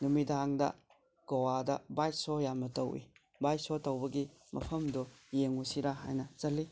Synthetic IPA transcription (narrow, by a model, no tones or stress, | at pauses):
numidaŋdɐ̰ | ɡ̥ɐwadɐ̰bajsojamɐtɐwḭ | bajsotɐwbɐɡi | mʔɐpʰɐmdɔjeŋusiɾaɦa̰jnɐt͡ʃɐlːi